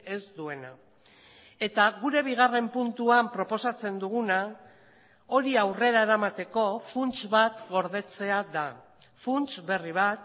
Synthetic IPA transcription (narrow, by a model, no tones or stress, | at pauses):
e̞zd̪ue̞na | e̞t̪aɣuɾe̞β̞iɣ̞are̞mpunt̪uampɾo̞po̞sat͡se̞nd̪uɣ̞una | o̞ɾiawre̞ɾae̞ɾamat̪e̞ko̞funt͡ʃβat̪ɣo̞ɾðe̞t͡se̞aða | funt͡ʃβe̞riβ̞at̪